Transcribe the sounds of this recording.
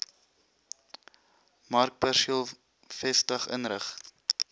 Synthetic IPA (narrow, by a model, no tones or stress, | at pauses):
mɐrk̚pɛrʃiəlˠ | fɛstəχə̰nɾəχ